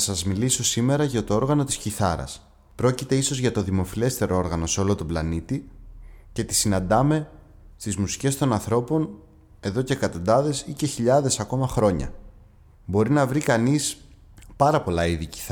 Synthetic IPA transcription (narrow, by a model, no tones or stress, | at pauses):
sɐzmiliso̞sime̞ɾɐʝɐt̪o̞o̞ɾɣɐno̞t̪i̥sciθɐɾɐ̰s | pɾo̞cit̪e̞iso̞zʝɐt̪o̞ðimo̞file̞st̪e̞ɾo̞o̞ɾɣɐno̞seo̞lo̞t̪o̞blɐnit̪i | ce̞t̪i̥sinɐnd̪ɐme̞ | st̪izmusi̥ce̞st̪o̞nɐnθɾo̞po̞n | e̞ðo̞ce̞ːkɐt̪o̞nd̪ɐðe̞sice̞çiʎɐðe̞sɐko̞mɐxɾo̞ɲɐ̰ | bo̞ɾinɐvɾikɐnis | pɐɾɐpo̞lɐiðici̥θ